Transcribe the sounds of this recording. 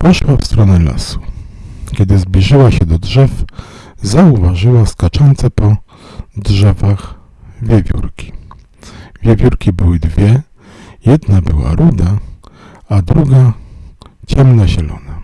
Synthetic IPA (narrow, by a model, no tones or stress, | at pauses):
pɔʂwafst̪ɾɔnɛla̰su̥kʲɛd̪ɘzblʲiʐɘwaɕɛd̪ɔdʐɛfzauvaʐɘwaskat͡ʂɔnt̪sɛpɔ | dʐɛvax | vʲjevʲjṵɾkʲi̥ | vʲjevʲjuɾkʲibɘwɘd̪vʲjɛ | jɛd̪nabɘwa̰ɾud̪a | ad̪ɾuɡa | t͡ɕɛmnaʑɛlɔ̰na